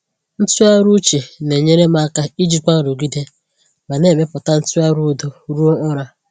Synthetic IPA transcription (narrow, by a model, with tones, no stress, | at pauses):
n̩˦tu˦a˦ɾu˦t͡ʃi˨ne˨ɲe˦ɾe˦ma˦ka˦i˦d͡ʒi˨k͡pʷa˦˨ɾo˨ɡi˦de˦ | ma˨ne˦˨me˦pʊ˨ta˦n̩˦tu˦a˦ɾu˦˨do˨ɾu˦o˦ʔʊ˦ɾa˨